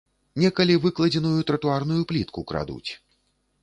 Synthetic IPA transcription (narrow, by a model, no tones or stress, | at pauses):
nʲɛkɐlʲivɨklˠɐd͡zʲɛnujut̪ɾɐt̪uarnujuplʲit̪kukɾa̰d̪ṵt͡sʲ